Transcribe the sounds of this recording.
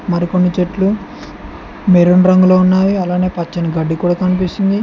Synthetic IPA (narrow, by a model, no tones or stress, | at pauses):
mɐɾiko̞nːit͡ʃeʈlu | meɾonɾɐŋɡuloːunːaːjiɐlaːne̞ːpɐt͡ʃːinɐɡɐɖːikuːɽaːkɐnipist̪ind̪i